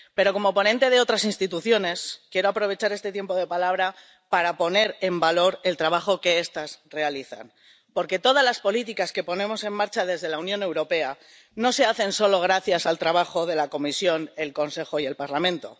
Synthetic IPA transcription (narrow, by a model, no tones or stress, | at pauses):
pe̞ɾo̞ko̞mo̞po̞nẽ̞nt̪e̞ð̞e̞o̞t̪ɾasinst̪it̪uθjo̞ne̞skje̞ɾo̞apɾo̞βe̞t͡ʃaɾe̞st̪e̞t̪je̞mpo̞ð̞e̞palaβ̞ɾa | paɾapo̞ne̞ɾe̞mbalo̞ɾe̞lt̪ɾaβ̞axo̞ke̞est̪asre̞aliθa̰n | po̞ɾke̞t̪o̞ðazlaspo̞lit̪ikaske̞po̞nẽ̞mo̞se̞mːaɾt͡ʃaðe̞zðe̞launjõne̞wɾo̞pe̞a | no̞se̞aθe̞nso̞lo̞ɣ̞ɾaθjasalt̪ɾaβ̞axo̞ð̞e̞lako̞misjo̞ne̞lko̞nse̞xo̞ie̞lpaɾlamẽ̞nt̪o̞̰